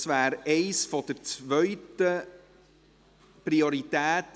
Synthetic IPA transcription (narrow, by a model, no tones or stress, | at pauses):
svæːɾɛɪsfɔd̥̪əɾt͡svœʏtə | pɾioɾit̪æːt